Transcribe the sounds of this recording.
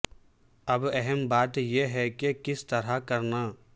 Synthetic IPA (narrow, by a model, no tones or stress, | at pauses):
ɐbɛɦɛmbaːt̪jeɦɛkekɪst̪ɐɾakɐɾnaː